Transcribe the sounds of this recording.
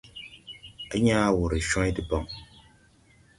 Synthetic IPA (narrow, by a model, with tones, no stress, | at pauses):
a˦ɲaː˦wu˨ɾi˨ʃɔ̃˦di˨bɔ˨ŋ